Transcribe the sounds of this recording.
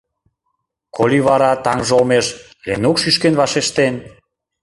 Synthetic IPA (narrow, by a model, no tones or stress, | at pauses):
kʰolʲiβɑɾɑt̪ɑŋʒolmeʃ | lenokʃyʃkenβɑʃeʃt̪en